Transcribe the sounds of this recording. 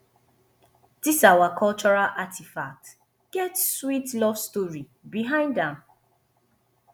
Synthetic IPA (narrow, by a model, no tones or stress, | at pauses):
d̥isawakʰɔlt͡ʃɔɹalʔatʰifak̚t | ɡ̥ɛtswitlɔvstoɹi | biɦãɪ̃ndãm